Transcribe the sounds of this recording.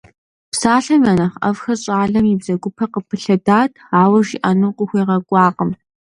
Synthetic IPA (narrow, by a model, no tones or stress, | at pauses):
psaːɬɐmjaːnɐχɐ̰vxɐɕʼaːɮɐmjɪbzɐɡʷʊpʰɐqəpʰɨɬɐdaːtʰ | aːwɐʒiʔaːnuːqʷʼʊxʷeːʁɐkʷʼɑːqʼəm